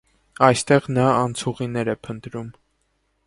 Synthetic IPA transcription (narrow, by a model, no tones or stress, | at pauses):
ɑjst̪ɛʁnɑːnt͡sʰuʁinɛɾɛpʰənt̪ɾum